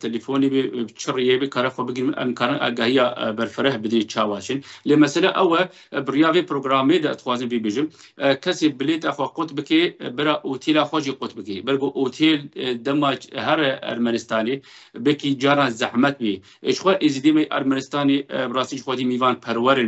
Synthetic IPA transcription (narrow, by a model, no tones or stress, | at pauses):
t̪ʰɛlifoːneːbet͡ʃʰɨrijeːbekʰaːɾɛxʷɛbɨɡɾɨnʔɛ̰mkʰaːɾɨnʔɑ̰ːɡɑːhijɑːbɛɾfɨɾɛhbɨd̪net͡ʃʰaːwɑːt͡ʃʰɨnleːmɛsɛlɛʔɛwɛ | bɨrijaːveːpʰɾoːɡɾaːmeːd̪ɛʔd̪ɨ̥xʷwaːzɨnbibeːʒɨm | kʰɛseːbɨleːt̪aːxʷɛqʊt̪bɨkebɨɾaːʔoːt̪ʰeːlaːxʷɛʒiːqʊt̪bɨkḛbɛɾkoːʔot̪ʰeːld̪ɛmaːɦɛɾʔɐ̰ɾmɛnɪst̪ɑːne | bɛkiːd͡ʒɑːɾɑːnzaħmɛt̪̚be | ʒxʷɛʔizid̪eːmɛʔɐ̰ɾmɛnɪst̪ɑːnebrɑːst̪iːʒxʷɛd̪iːmiːvɑːnpʰɛɾwɛɾen